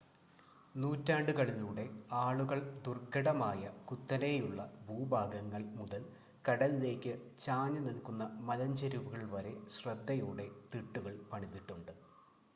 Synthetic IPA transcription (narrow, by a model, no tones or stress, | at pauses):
nuːtːaːɳɖɨkɐɭiluːɽe̞aːɭuɣɐɭd̪urkːɐɽɐmaːjɐkut̪ːɐnejuɭːɐbʱuːbʱaːɡɐŋːɐɭmuðɐl | kɐɽɐlile̞ːkʲːɨt͡ɕaːɲɐnilkunːɐmɐlɐɲd͡ʑɐɾuʋuɣɐɭʋɐɾe̞ɕrɐd̪ːɐjuːɽe̞t̪iʈːuɣɐɭpɐɳiðːiʈːuɳɖɨ